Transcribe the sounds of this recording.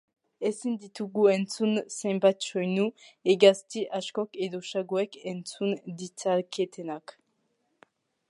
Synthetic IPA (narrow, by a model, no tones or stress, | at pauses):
esind̪it̪uɡuent͡sunsembat̪t͡ʃojnueɡast̪iʔaʃkɔkeðoʃaɡoɛkent͡sund̪it͡salket̪enak